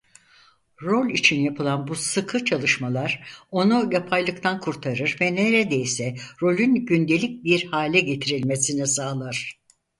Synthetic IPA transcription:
ɾo̞lʲit͡ʃʰinjapʰɯlˠanbusɯkʰɯt͡ʃʰalˠɯʃmalˠaɾ̥o̞nujapʰajlˠɯkt̪ʰankʰuɾt̪ʰaɾɯɾvɛneɾed̪e̞jisɛɾo̞lʲynɟynd̪e̞lʲic̚biɾhaːlʲɛɟe̞t̪ʰiɾilʲmesinisaːlˠaɾ̥

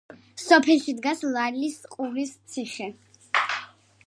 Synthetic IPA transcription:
sɔpʰɛlˠʃid̪ɡaslˠaɾlisqʼulist̪sʰiχɛ

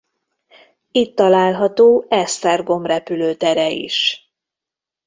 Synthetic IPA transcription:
it̪ːɒlaːlɦɒt̪oːʔɛst̪ɛrɡo̞mrɛpyløːt̪ɛɾɛḭʃ

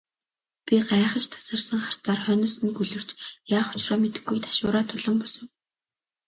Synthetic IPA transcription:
pʲiɢaχə̆t͡ɕt̪ʰḁsə̆rsə̆ŋχar̥t͡saːrχœnɪ̆sɘ̆nkuɮɵ̆r̥t͡ɕjaːχʊ̥t͡ɕrɔːmet̪ɘ̆ɡːujt̪ʰḁʃʊːɾaːt̪ʰʊɮə̆mpɔɮsə̆ŋ

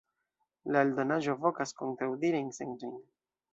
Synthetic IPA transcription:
laeldo̞naʒo̞vo̞kasko̞ntɾawdiɾeinseŋtojn

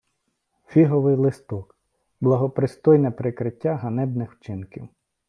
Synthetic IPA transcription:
fʲiɦɔʋɪjlˠɪst̪ɔk | blˠɐɦɔpɾɪst̪ɔjnɛpɾɪkɾɪtʲːaɦɐnɛbnɪxwt͡ʃɪnkʲiw

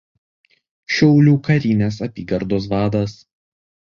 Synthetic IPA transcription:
ʃʲɛʊlʲuːkɐɾʲiːnʲeːs̬ɐpʲiːɡɐɾd̪oːs̬ʋɑːd̪ɐs

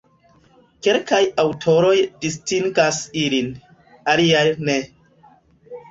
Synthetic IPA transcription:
ke̞lkajawtʰo̞ɾo̞jdistiŋɡasilin | aliajne̞

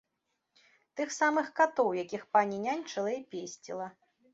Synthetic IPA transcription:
t̪ɨxsamɨxkat̪ɔwjakʲixpanʲinʲanʲt͡ʂɨlˠɐipʲesʲt͡sʲḭlˠɐ

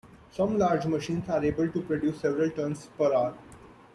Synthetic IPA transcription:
sʌ̃mlaːɾd͡ʒməʃĩːnsaːɾeːbəlʈupɾoɖjuːsːɛʋɾəlʈəɾnspəɾaːɾ

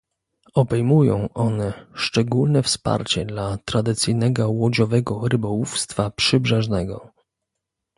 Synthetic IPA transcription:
ɔbɛjmujɔ̰̃w̃ʔɔnɛʂt͡ʂɛɡulnɛfspa̰ɾt͡ɕɛd̪lat̪ɾad̪ɘt̪sɘjnɛɡɔwɔd͡ʑɔvɛɡɔɾɘbɔwufst̪fapʂɘbʐɛʐnɛɡɔ

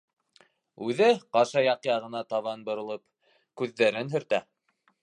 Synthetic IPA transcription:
ʉðɘqɑʃɑjɑqjɑʁɤ̆nɑt̪ɑβɑnbŏɾɤ̆lˠɤp | kʉðːæɾɘnɦɵ̆ɾt̪æ

